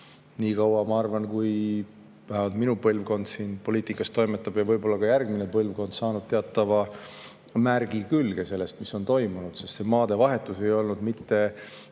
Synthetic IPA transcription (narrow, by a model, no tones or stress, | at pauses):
niːkɑwɑmɑɑrvɑnkuj | væhevɑlt̪minupɤlvko̞nd̪̥siːnpoliːt̪ˑikːˑɑst̪ːo̞jmet̪ːˑɑb̥jɑvɤjbo̞lːɑkɑjærɡ̥minepɤlvko̞nd̪̥sɑːnud̪̥̚t̪eɑt̪ːˑɑvɑ | mærɡ̥ikylɡ̥ese̞lːest̪miso̞nt̪o̞jmunud̪̥se̞st̪se̞mɑːd̪̥e̞vɑɦet̪ːˑuse̞jo̞lnud̪mit̪ːe̞